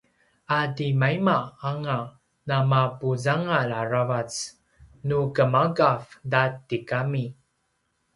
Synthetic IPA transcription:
adimaimaaŋa | namapuzaŋalaravat͡s | nukəmaɡafdatikami

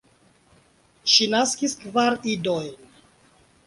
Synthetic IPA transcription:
ʃinaskiskvaɾidojn

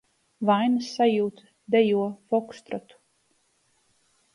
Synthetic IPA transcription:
vajnɨsːajuːt̪ | d̪ɛjuɔfɔkst̪ɾɔt̪u̥

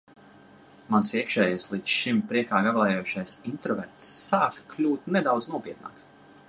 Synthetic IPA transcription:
mansiɛkʃɛːjaslˠisʃimpɾiɛkaːɡavlˠɛjoʃajsint̪ɾɔvɛɾt̪sːaːkklʲuːt̪nɛd̪awd̪znuɔpiɛt̪̚na̰ːks

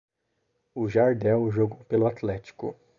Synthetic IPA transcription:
ʊʒaɾd̪ɛwʒoɡowpelʊat̪lɛt͡ʃi̥kʊ̰

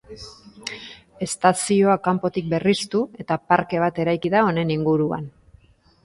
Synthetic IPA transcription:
e̞st̪asio̞akampo̞t̪ik̚be̞rist̪ue̞t̪apaɾke̞β̞at̪e̞ɾajkiðao̞ne̞niŋɡuɾua̰n

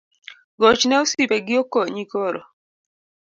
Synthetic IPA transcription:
ɡɔt͡ʃnɛosipɛɡɪokːoɲikɔɾɔ̰

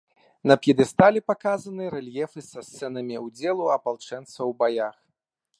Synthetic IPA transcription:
nɐpjɛd̪ɨst̪alʲipakazɐnɨɾɛlʲjɛfɨsɐst̪sɛnɐmʲiwd͡zʲɛlˠuɐpalˠt͡ʂɛnt̪svɐwbajax

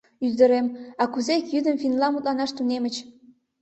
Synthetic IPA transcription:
yzd̪ə̆ɾemɑkuzekjyd̪ə̆mfinlɑmut̪lɑnɑʃt̪unemə̆t͡ɕ

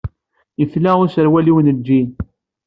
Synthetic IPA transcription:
jəθlæʊsəɾwæliwnəd͡ʒːin

